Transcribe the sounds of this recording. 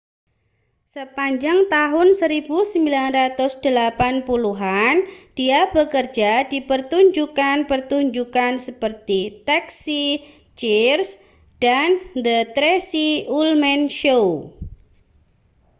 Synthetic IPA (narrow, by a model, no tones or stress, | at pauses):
səpaɲd͡ʒaŋt̪aɦʊnsəɾibusəmbilanrat̪ʊsd̥əlapanpuluɦand̥iabəkərd͡ʒadipərt̪uɲd͡ʒukanpərt̪uɲd͡ʒukansəpərt̪it̪ɛksi | t͡ʃirs | d̥and̪ət̪ɾesiulmɛnʃow